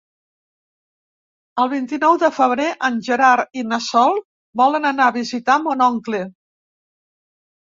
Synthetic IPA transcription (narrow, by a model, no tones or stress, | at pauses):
əlˠβ̞int̪inɔwðəfəβ̞ɾeʔənʒəɾaɾinəsɔlˠ | bɔlənənaβizit̪amonɔŋkle